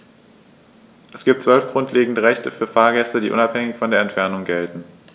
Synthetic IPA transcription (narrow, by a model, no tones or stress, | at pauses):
ʔɛsɡ̥iːp̚tt͡sv̥œlfɡ̥ʁʊntʰleːɡŋ̩dəʁɛçtəfyːɐfaːɐɡɛstədiːʔʊ̰naphɛŋɪçfɔndeːɐɛntfɛɐnʊŋɡɛltn̩